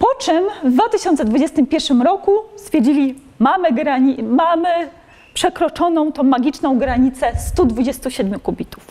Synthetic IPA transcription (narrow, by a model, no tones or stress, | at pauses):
pɔt͡ʂɛmːd̪vat̪ɘɕɔnt̪sɛd̪vud͡ʑɛst̪ɘmpʲjɛɾʂɘmɾɔkust̪fʲjɛɾd͡ʑilʲi | mamɘɡɾaɲimamɘ | pʂɛkɾɔt͡ʂɔnɔ̃w̃t̪ɔ̃w̃maɡʲit͡ʂnɔ̃w̃ɡɾaɲit̪sɛst̪ud̪vud͡ʑɛst̪uɕɛd̪mʲjukubʲit̪u̥f